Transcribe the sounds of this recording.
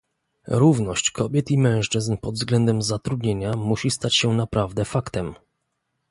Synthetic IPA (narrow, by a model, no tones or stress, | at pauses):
ɾuvnɔɕt͡ɕkʰɔbʲjɛt̪imɛ̃w̃ʂt͡ʂɘznpɔd̪vzɡlɛnd̪ɛmzat̪ɾud̪ɲeɲamuɕist̪at͡ɕɕɛnapɾʔavd̪ɛfakt̪ɛm